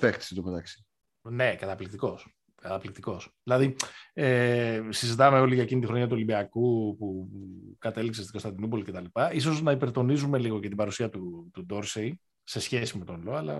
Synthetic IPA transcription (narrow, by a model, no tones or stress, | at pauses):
ðext̪i̥sit̪opet̪ɐksi̥ | ne̞kɐt̪ɐplik̚t̪iko̞s | kɐt̪ɐplik̚t̪iko̞sðilɐðiesizit̪ɐme̞o̞liʝɐecinit̪ixɾo̞ɲɐt̪uo̞limbiɐkupukɐt̪e̞likse̞st̪i̥ko̞stɐd̪inupo̞lice̞t̪ɐlipɐiso̞znɐipe̞ɾt̪o̞nizume̞liɣo̞ce̞t̪ibɐɾusiɐt̪ut̪ud̪o̞ɾsei | se̞sçe̞sime̞t̪o̞nlo̞ɐlɐ̰